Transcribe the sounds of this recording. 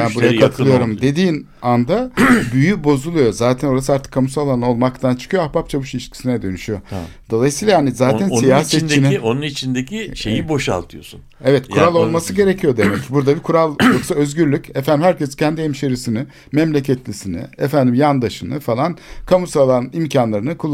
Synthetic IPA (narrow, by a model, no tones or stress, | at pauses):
janbuɾajat̪ʰakʰɯlˠɯjo̞ɾumd̪e̞d̪iːn | and̪abyjybo̞zulˠujo̞zaːt̪ʰænoɾasɯaɾt̪ʰɯ̥kʰːamusalˠano̞lˠmakt̪ʰant͡ʃʰɯ̥kʰɯjoahpap̚t͡ʃʰavɯʃiʃcʲʰi̥sinɛd̪ø̞nyʃyjo̞d̪̥o̞lˠajɯsiːlˠahanizaːt̪ʰænsijaːset͡ʃːinonunit͡ʃʰind̪ecʰiʃejibo̞ʃa̰lˠt̪ʰɯjo̞̰sun | evɛt̪kʰuɾalˠo̞lˠmasɯɟe̞ɾecʰijo̞d̪e̞mɛcbuɾd̪abikʰuɾalˠjoksaøzɟyɾlʲycɛfænd̪imhæɾcʰɛscʰɛnd̪ihɛmʃeɾisinɪ | mɛmlʲecʰɛt̪lʲisinɪ̰efænd̪imjand̪aʃɯnɯ̰falˠankʰamusalˠaimcʰanlˠaɾɯnɯkʰulˠː